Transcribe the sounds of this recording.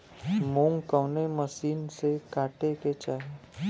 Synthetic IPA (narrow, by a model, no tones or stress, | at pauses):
mõːŋɡkəʊneməsiːnsekaːʈeket͡ʃaːɦe